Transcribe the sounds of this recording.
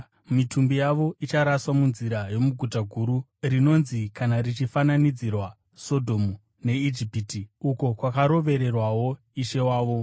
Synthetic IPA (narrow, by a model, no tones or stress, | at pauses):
mitʰumbijaʋo̞ʔit͡ʃaɾaswamunziɾajo̞muɡʱutaɡʱuɾu | rino̞nzikanarit͡ʃifananid͡zirwa | so̞dʱo̞mu | ne̞id͡ʒipitiuko̞kwakaɾo̞ʋe̞ɾe̞rwawo̞ | iʃe̞waːʋo̞